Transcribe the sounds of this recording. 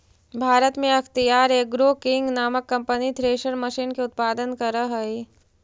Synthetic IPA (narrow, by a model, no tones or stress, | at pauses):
bʱaːɾət̪mẽɐxt̪ijaːɾeːk̚ɡɾoːkɪ̃ŋɡnaːməkːɐ̃mpənit̪ʰɾeːʃəɾməʃiːnkeʊt̪̚paːd̪ənkɐɾəɦəi